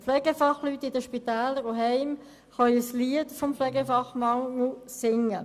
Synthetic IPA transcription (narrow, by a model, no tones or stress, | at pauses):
flɛɡəfɑχlytːɪdəʃpit̪ɛːləɾoɦɛɪm | χœisliətfɔmflɛɡəfɑχmɑŋusɪŋə